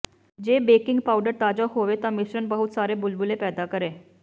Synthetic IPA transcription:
d͡ʑebekiŋɡpauɖəɾt̪ad͡ʑaɦoʋet̪amiɕɾənbəɦut̪saɾebulbulepɛːd̪akəɾe

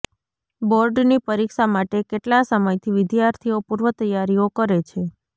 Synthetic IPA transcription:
boɾɖnipəɾikʃamaʈekeʈlasəməjt̪ʰiʋɪd̪jaɾt̪ʰiopuɾʋət̪əjːaɾijokəɾet͡ʃʰe

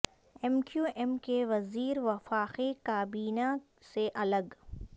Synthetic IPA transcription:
ɛmkjuːʔɛmkeʋɐziːɾʋɐfaːqekaːbiːna | seʔɐləɡ

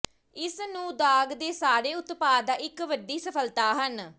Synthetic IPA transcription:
ɪsnũːd̪aːɡd̪eːsaːɾeːʊt̪paːd̪aːʔɪkʋəɖiːsəpʰəlt̪aːɦən

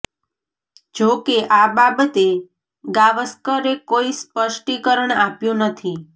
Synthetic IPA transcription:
d͡ʒokeʔababət̪e | ɡaʋəskəɾekoispəʃʈikəɾəɳapjũnət̪ʰi

